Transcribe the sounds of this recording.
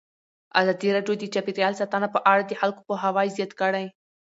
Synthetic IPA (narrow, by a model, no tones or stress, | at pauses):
a̰zɑd̪iɾɑɖjod̪ət͡ʃɑpiɾjɑlsat̪anapəʔaɽad̪əxalkopəɦawɑjzjɑt̪kəɽaj